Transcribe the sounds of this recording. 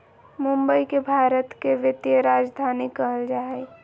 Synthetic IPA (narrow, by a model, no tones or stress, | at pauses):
mumbəikebʱaːɾət̪keʋjət̪jəɾad͡ʒd̪ʱanikəɦəld͡ʒaːɛ